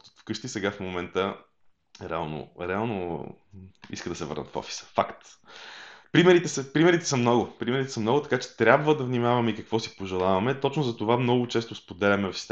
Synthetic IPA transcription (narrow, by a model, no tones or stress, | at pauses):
fkɤʃt̪isɛɡafmomɛnt̪ə | ɾɛalˠno̰ɾɛalˠno | ḭskəd̪ɐsɛvə̰ɾnət̪fɔ̰fi̥sə̥fakt̪ | pɾimɛɾit̪ɛsəpɾimɛɾit̪ɛ̥səmnɔɡʊpɾimɛɾit̪ɛ̥səmnɔɡʊt̪ɐ̥kat͡ʃɛ̥t̪ɾʲabvəd̪ɐvnimavɐmɛikɐkvɔsi̥poʒɛlˠavɐmɛt̪ɔt͡ʃnʊzɐt̪ovamnɔɡʊt͡ʃɛst̪ospod̪ɛlʲɐmɛvfst̪